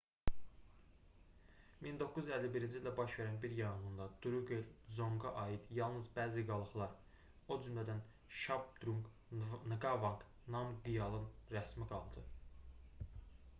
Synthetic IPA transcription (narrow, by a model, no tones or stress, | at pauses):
mind̪o̞kːuzælːibiɾind͡ʒild̪æbɑʃve̞ɾænbiɾjɑjɯnɯnd̪ɑd̪̥uɾuɡelzo̞ŋɡɑʔɑjid̪jɑlˠnɯzbæːziɡɑlˠɯχlˠɑɾ | o̞d͡ʒymlæd̪æn | ʃɑb̚d̪ɾuŋɡ | nɯɡɑvɑŋk | nɑmɡijɑlˠɯnɾæsmiɡɑlˠd̪ɯ